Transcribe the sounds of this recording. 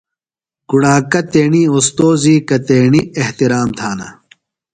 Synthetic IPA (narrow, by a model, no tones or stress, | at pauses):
kuɽaːkɐt̪eːɳiost̪oːziːkɐt̪eːɳieht̪iɾaːmt̪ʰaːnɐ̰